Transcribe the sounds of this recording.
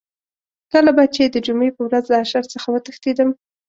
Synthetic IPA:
kəlabat͡ʃed̪əd͡ʒumepəwɾazləaʃaɾt͡səxawət̪əxt̪id̪əm

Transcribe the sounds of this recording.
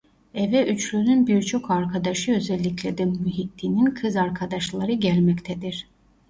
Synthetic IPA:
ɛvɛʔyt͡ʃlʲynynbiɾt͡ʃʰo̞kʰaɾkʰad̪aʃɯø̞zɛlʲːiclʲɛd̪ɛmyɦit̪ʰːininkʰɯzaɾkʰad̪aʃlˠaɾɯɟælʲmɛct̪ʰɛd̪iɾ̥

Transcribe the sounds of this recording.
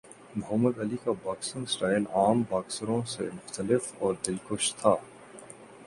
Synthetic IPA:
mɐɦəməd̪ɐlikabaːksɪ̃ŋsʈaːɪlaːmbaːksəɾõsḛmʊxt̪əlɪfɔːɾd̪ɪlkʊʃt̪ʰaː

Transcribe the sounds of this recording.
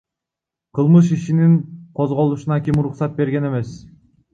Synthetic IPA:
qʰɯlˠmɯʃ̬iʃiniŋqʰozʁo̞lˠuʃɯnɑkʲimuɾuqsɑt̪̚be̞ɾɡʲe̞ne̞me̞s

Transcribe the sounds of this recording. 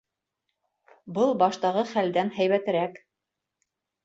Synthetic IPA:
bɤlˠbɑʃt̪ɑʁɤχæld̪ænɦæjβæt̪ɘ̆ɾæk

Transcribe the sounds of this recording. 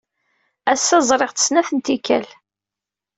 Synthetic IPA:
æsːæzˤɾˤeʁθə̥snæθənt̪ikæl

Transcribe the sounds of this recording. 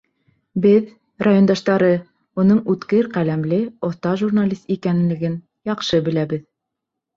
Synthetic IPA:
bɘð | rajond̪ɑʃt̪ɑɾɤ | unɤɴʉt̪kɘɾqælæmlɘoθt̪ɑʒurnalʲist̪ikænlːɘ̆ɡɘn | jɑqʃɤbɘ̆læbɘð

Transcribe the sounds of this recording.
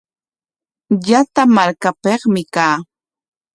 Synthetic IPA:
jat̪amaɾkapeχmɪkaː

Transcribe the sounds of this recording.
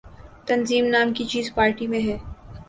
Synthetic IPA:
t̪ɐnziːmnaːmkit͡ʃiːzpaːɾʈimẽɦɛː

